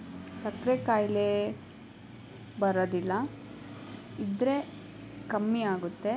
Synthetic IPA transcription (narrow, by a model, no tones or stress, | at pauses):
sɐkɾekaːjle | bɐɾod̪ilːɐ | id̪ɾe | kɐmːiaːɡut̪ːe̞